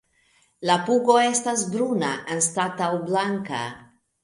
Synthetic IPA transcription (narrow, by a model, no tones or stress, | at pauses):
lapuɡo̞e̞stasbɾuna̰ʔanstatawblaŋka̰